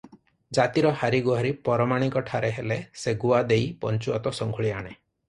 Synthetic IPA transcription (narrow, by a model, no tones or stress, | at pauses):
d͡ʒat̪iɾɔhaɾiɡuɦaɾipɔɾɔmaɽ̃ikɔʈʰaɾeɦeleseɡuad̪ejpɔnt͡ʃuɔt̪ɔsɔŋɡʱuɭiaɽ̃e